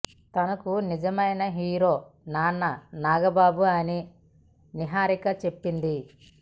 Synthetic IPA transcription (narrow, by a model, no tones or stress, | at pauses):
t̪ɐnɐkunid͡ʒɐmɐjnɐɦiːɾoːnaːnːɐnaːɡɐbaːbuɐni | niɦaːɾikɐt͡ʃe̞pːind̪i